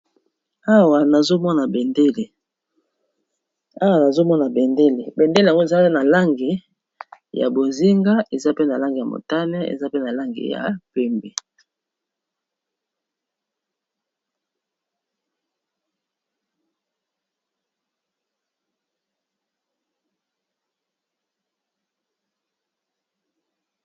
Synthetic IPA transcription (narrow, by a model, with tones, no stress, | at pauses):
a˦wa˨na˨zo˦mɔ˦na˨be˨nde˦le˨ | a˦wa˨na˨zo˦mɔ˦na˨be˨nde˦le˨be˨nde˦le˨ja˨ŋɡo˦e˨za˦na˨la˦ŋɡi˨ | ja̰˨bo˨zi˦ŋɡa˦ʔe˨za˦pe˦na˨la˦ŋɡi˨ja˨mo̰˨ta˦nɛ˦ḛ˨za˦pe˦na˨la˦ŋɡḭ˨ja̰˨pɛ˦mbe˨